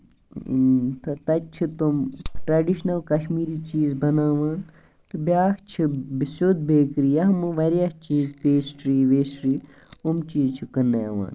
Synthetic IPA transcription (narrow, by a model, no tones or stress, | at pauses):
t̪ɐt̪ɐt͡ʃʰit̪umʈɾaːɖiʃnɐlkɐʃmiːɾiːt͡ʃiːzbɐnaːʋaːn | t̪ɨbʲaːkt͡ʃʰibisod̪̚beːkɾijɐɦmɨʋɐɾijakt͡ʃiːzpeːsʈɾiːʋeːsɾiː | umt͡ʃiːzt͡ʃʰikɐneːʋa̰ːn